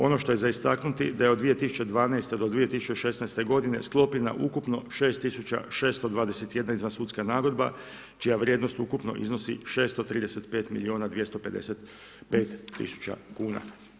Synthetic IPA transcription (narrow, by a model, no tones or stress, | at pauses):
o̞no̞ʃt̪o̞je̞zaist̪aknut̪id̪aje̞od̪ʋije̞t̪isu̥t͡ʃe̞d̪ʋaːnajst̪ed̪od̪ʋije̞t̪isut͡ʃeʃe̞snajst̪e̞ɡo̞d̪ine̞sklˠo̞pina̰ʔukupno̞ʃe̞ːst̪ːisut͡ʃa̰ʃe̞ːst̪od̪ʋaːd̪e̞set̪je̞d̪naizʋansuːt̪skanaːɡo̞d̪ba̰ | t͡ʃijaʋɾje̞d̪nost̪ukupno̞̰ʔḭzno̞sḭʃe̞ːst̪ot̪ɾiːd̪e̞se̞t̪pe̞ːt̪milioːnad̪ʋje̞st̪ope̞d̪e̞̰set̪ | pe̞ːt̪ːḭsu̥t͡ʃa̰kuːna̰